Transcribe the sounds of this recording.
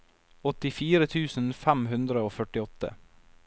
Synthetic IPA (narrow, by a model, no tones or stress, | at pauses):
ɔt̪ɪfiːɾət̪ʰʉːsn̩fæmɦʉnd̪ɾəoːfœʈɪɔt̪ə̰